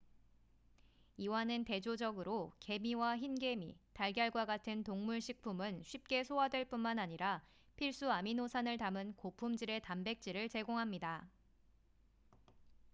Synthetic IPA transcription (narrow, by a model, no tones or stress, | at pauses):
iwanɯnte̞d͡ʑod͡ʑʌɡɯɾoke̞miwaçinɡe̞mḭtaɭɡjʌɭɡwaɡatʰɯntoŋmuɭɕʰik̚pʰumɯnɕʰɥip̚k͈e̞sʰoadwe̞ɭp͈unmanaɲiɾa | pʰiɭs͈uaminosʰanɯɭtamɯnkopʰumd͡ʑiɾe̞tambe̞k̚t͡ɕ͈iɾɯɭt͡ɕe̞ɡoŋɦamɲida